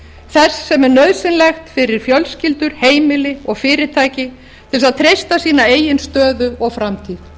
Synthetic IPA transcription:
θɛsːɛmɛɾnœðsɪnlɛxt̪fɪɾɪɾ̥fjœlscɪlt̪ʏɾ̥heːjmɪlɪɔɣfɪːɾɪt̪ʰaːjcɪ | t̪ʰɪls̬aðt̪ʰɾejst̪asiːnaeːjɪnst̪œːðʏɔɣfɾamt̪ʰiːð

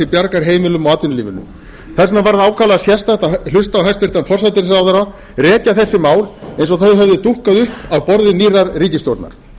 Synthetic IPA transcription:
ɪpjaɾkaɾ̥ɦeːjmɪlʏmɔaːt̪vɪnliːvɪnːʏ̰m | θɛsnavaɾðaːwkʰalaðasjɛst̪aɛt̪alʏst̪aːwɦɛjst̪vɪɾ̥t̪anfɔrsat̪ɪɾsaːwðaɾa | rɛːc̪jaθɛsːɪmaːwlejnsɔθœɥɦœvðɪt̪uhkaðʏhpawpɔɾðɪniːraɾriːcɪst̪owɾt̪na̰ɾ̥

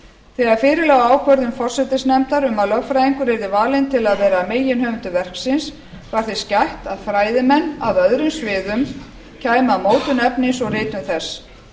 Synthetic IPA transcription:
θɛɣaɾ̥fɪːɾɪlɛːɣaaːwkʰvœɾðʏmfɔr̥sɛt̪ɪsnɛmt̪aɾʏmalœvfɾajðiŋkʏɾɛɾðɪvaːlɪnt̪ʰɪlaðvɛːɾameːjɪnhœːvʏnt̪ʏvɛr̥ksɪns | vaɾ̥θescajht̪aðfɾaːjðɪmɛnːaðœðɾʏmsvɪːðʏm | cʰaːjmaðmoːwt̪ʏnɛpnɪnsɔɣrɪːt̪nʏmθɛs

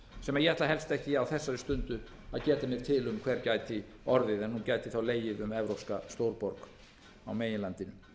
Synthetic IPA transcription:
sɛmaɾjɛhat̪laɦɛlst̪ɛhcɪawθɛsːaɾɪst̪ʏnt̪ʏ | aðcɛːt̪amjɛɾ̥t̪ʰɪlʏmkʰv̥ɛɾcaːjt̪ɪ | ɔɾðɪðɛnːuncajt̪ɪθawleːjɪðʏmɛvɾowpskast̪owɾpɔɾk | a̰wmeːjɪnlant̪ɪnʏ

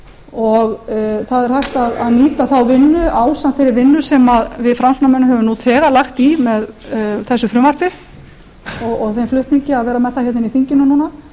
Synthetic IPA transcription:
ɔɣθaðɛɾ̥hajht̪aðaðniːt̪aθawvɪnːʏʔaːwsant̪fejɾɪɾvɪnːʏsɛmaðvɪðfɾamsnamɛnːɦɛvʏmnuθʰɛːɣalaxt̪imɛðθɛsːʏfɾʏːmar̥pɪ | ɔɣɔɣθejmflʏht̪niɲcɪaðvɛːɾamɛðθahɛt̪ɪniθiɲcɪnʏnuːna

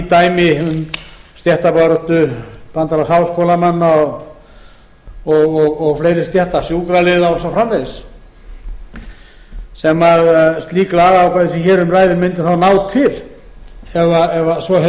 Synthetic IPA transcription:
t̪aːjmɪʏnst̪jɛht̪apaɾɔht̪ʏpant̪alasawskowlamanːaɔɣ | ɔɣɔɣɔɣfleːjɾɪst̪jɛht̪asjuːkɾalɪðawɔsafɾamlejs | sɛmaðst̪liːklaːɣaawkʰvajðɪsɛçɛːɾʏmraːjðɪmɪnt̪ɪθawnawt̪ʰɪl | ɛvaɛvasvɔɦ

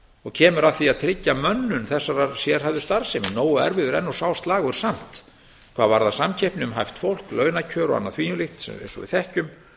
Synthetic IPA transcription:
ɔɣcʰɛːmʏɾaðθiaðt̪ʰɾɪcːamœnːʏnθɛsːaɾasjɛɾ̥havðʏ̥st̪aɾ̥sɪmɪnoːwʏɛ̰ɾvɪðʏɾɛnːɔsawst̪laːɣʏɾ̥sam̥t̪ | kʰvaːðvaɾðasamcʰɛhpnɪʏmɦajft̪fowl̥klœːɥnacʰœːɾɔ̰a̰nːa̰θv̥iːnʏlɪxt̪sɛ̰mḛnsɔ̰vɪ̰ðθɛhcʏm

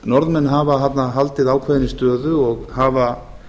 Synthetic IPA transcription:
nɔɾðmɛnːɦavaɦat̪naɦalt̪ɪðaːwkʰvɛðɪnɪst̪œːðʏɔɣhava

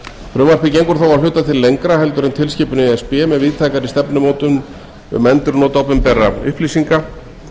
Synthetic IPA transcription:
fɾʏːmar̥pɪc̬ejŋkʏɾθawvaɾl̥ʏːt̪aðt̪ʰɪlːejŋkɾaɦɛlt̪ʏɾʏnt̪ʰɪlscɪːpʏnɪɛspɛmɛðviːðt̪ʰajkaɾɪst̪ɛpnʏmoːt̪ʏm | ʏ̰mɛnt̪ʏɾnoːt̪awpʏmpɛrːaʏ̰hpliːsiŋka

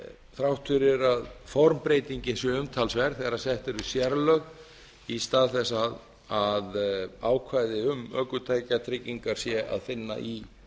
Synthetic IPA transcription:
θɾawht̪ʰʏɾɪɾaðfɔɾmpɾeːjt̪iɲcɪsjɛʏmt̪ʰalsvɛɾ̥θɛɣaɾasɛht̪ɛɾʏsjɛɾlœɣ | ist̪aːðθɛsːað | aðaːwkʰvajðɪʏmœːkʏt̪ʰaːjcat̪ʰɾɪcːiŋkaɾ̥sjɛʔa̰ðfɪnːa̰ʔi

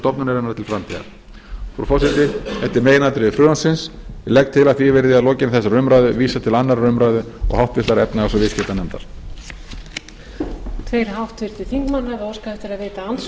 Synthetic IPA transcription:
t̪ɔpnʏnɛɾɛnaɾt̪ʰɪlfɾamt̪ʰiɣa̰ɾ̥ | fɔɾɔfɔsɪt̪ɪθɛht̪ɪɾmeːjɪnat̪ɾɪɪfɾʏːansɪnslɛk̚t̪ʰːɪlaðθivɛɾðɪaðlɔːcɪnɪθɛsːaɾʏmɾaːjðʏviːsat̪ʰɪlanːaɾʏmɾaːjðʏɔ̰ɣhawht̪vɪst̪aɾɛpnaasɔvɪscɪt̪anɛmt̪a̰ɾ̥ | t̪ʰvejɾ̥hawht̪vɪɾt̪ɪθiŋkmanːhavɪawskaɛht̪ɪɾaðveːt̪aans

